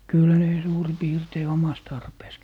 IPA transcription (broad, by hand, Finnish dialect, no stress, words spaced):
kyl ne suːri piːrtei omɑs tɑrpeːs